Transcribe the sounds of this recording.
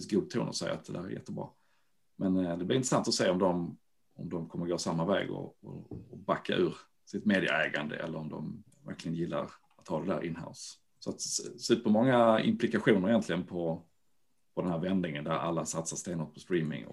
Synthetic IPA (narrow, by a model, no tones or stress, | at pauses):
sɡuːɡ̚t̪ʰṵːnɔ̰sɛjːa̰at̪̚d̪ɛd̪æːɾæ̰ɾjɛ̰t̪ːəbɾɑ̰ː | mɛnd̪ɛblɪɾɪnt̪ɾəsant̪ɔseːɔmd̪ɔm | ɔmd̪ɔmkʰɔmːəɾɡoːsamːavɛ̰ːɡɔ̰ɔbakʰːaʔʉ̟ːɾ | sɪt̪meːd̪ɪə̰ɛːɡand̪ə̰ʔɛ̰lːəɾɔmd̪ɔm | væ̰ɾklɪɡənjɪlːa̰ɾ | at̪hɑːd̪ɛd̪æ̰ːɾʔɪnɦa̰ʊs | sɔat̪sʉ̟ːpəɾmɔŋːaɪ̰mplɪkaɧuːnəɾɪjɛnt̪ʰlɪɡənpʰɔ | pʰɔd̪ɛnhæːɾvɛnd̪ɪŋənd̪æɾa̰lːasat̪sast̪eːnɔt̪̚pʰɔst̪ɾiːmɪ̰ŋ